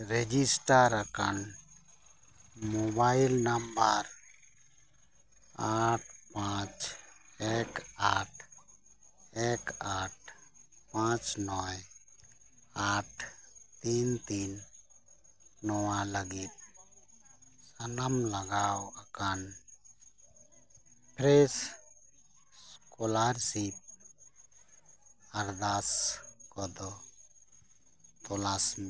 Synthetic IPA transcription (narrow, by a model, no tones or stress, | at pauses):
ɾed͡ʒisʈəɾəkən | mobajlnəmbəɾ | aʈʰpãt͡ʃekaʈʰ | ekaʈ̚ʰpãt͡ʃnɔj | aʈʰt̪int̪in | ɔwaləɡit̪̚ | sanamlaɡawakan | pʰɾes | skɔlaɾsip̚ | aɾd̪askɔd̪ɔ | t̪ɔlasm